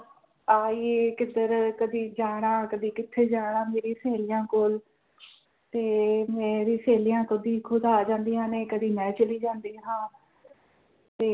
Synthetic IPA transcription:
aːieːkɪd̪əɾkəd̪iːd͡ʒaːɽ̃aːkəd̪iːkɪt̪ʰːeːd͡ʒaːɽ̃ãːmeːɾiːseːlɪjãːkoːl | t̪eːmeːɾiːseːlijãːkʊd̪iːkʰʊd̪aːd͡ʒãːnd̪iːãːneːkəd̪iːmɛ̃ːt͡ʃəliːd͡ʒãːnd̪iːɦãː | t̪eː

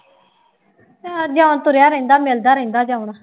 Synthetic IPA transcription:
saːd͡ʒaːnt̪ʊɾjaːɾəɪ̃nd̪aːmeːld̪aːɾɛ̃ɪ̃nd̪aːd͡ʒaːuɳaː

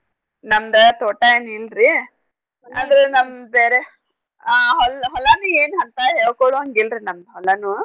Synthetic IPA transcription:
nɐmd̪ɐt̪oːʈɐeːnilɾi | ɐ̰d̪ɾunɐmbeːɾe | aːɦɔlɦɔlaːnueːnɦɐnt̪ɐɦeɭkoɭoɐŋɡilɾinɐmd̪ɦɔlːɐnu

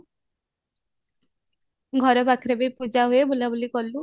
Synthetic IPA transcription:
ɡʱɔɾɔpakʰɾebejpud͡ʒaɦuebolabulikɔlu

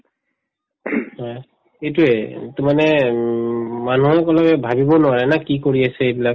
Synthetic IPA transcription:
hɔj | xejtuɛtumanɛ | manuɛkɔlɔbɛbʱabibɔnʊaɹɛnakikoɹiasɛejbilak̚

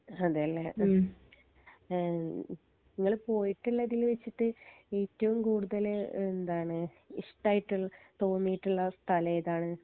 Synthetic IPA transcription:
ɐðeɐlːɐ | niŋːɐɭpo̞ːjiʈːuɭːɐðilʋet͡ɕːiʈːɨeːtːɐʋumkuːɽuðɐlend̪aːɳɨ | iʂʈaːjiʈːult̪o̞ːnːijiʈːuɭːɐst̪ʰɐlɐjɐðaːɳɨ

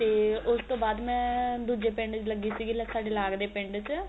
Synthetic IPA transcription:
t̪eːʊst̪õːbaːd̪mɛ̃ːd̪uːd͡ʒeːpɪɳɖt͡ʃləɡːiːsiːɡiːləsaːɖeːlaːɡd̪eːpɪ̃ɳɖt͡ʃ

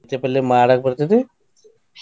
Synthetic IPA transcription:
t̪epɛlːemaːɽak̚bəɾt̪et̪e

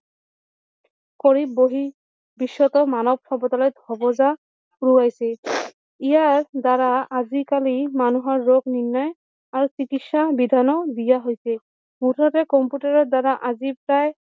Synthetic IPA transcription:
kɔɹibːoɦi | bisːɔtɔmanɔb̚kʰɔbɔtalɔjd̪ʱɔbɔza | ɹuajsɛ | ijaɹdaɾaazikalimanuɦɔɹːoɡninːɔj | aɹusikitsabid̪ʱanɔdijaɦojsɛ | mutʰɔtɛkɔmputaɹɔdaɾaʔazipɹaj

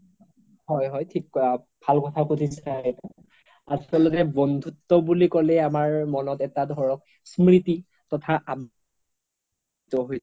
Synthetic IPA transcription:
hɔjɦɔjtʰik | bʱalkɔtʰakutʰisatɔ | a̰sɔlɔtɛbɔnd̪ʱutːɔbulikɔlɛamaɹmɔnɔtɛtadʱɔɹɔk̚ | smɹiti | tɔtʰaʔam | tɔɦoj

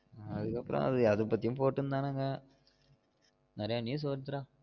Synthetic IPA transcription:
ɐðɯkːɐpːɯɾɐ̰̃ɐ̰ðɯɐðɯpːɐt̪ːɪjʊ̃mpoːʈːɯnd̪aːnɐŋɡɐ | nɐɾɐjaːniːs̬oːɾt̪ːɯɾãː

